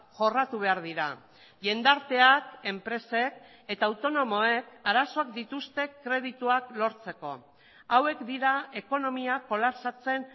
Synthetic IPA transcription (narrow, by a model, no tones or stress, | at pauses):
ʝo̞rat̪uβ̞e̞aɾð̞iɾa̰ | ʎe̞nd̪aɾt̪e̞ake̞mpɾe̞se̞k | e̞t̪aːwt̪o̞no̞mo̞e̞kaɾaso̞ak̚d̪it̪ust̪e̞kɾe̞ð̞it̪uaklo̞ɾt͡se̞ko̞̰ | awe̞kd̪iɾae̞ko̞no̞miako̞lapsat͡se̞n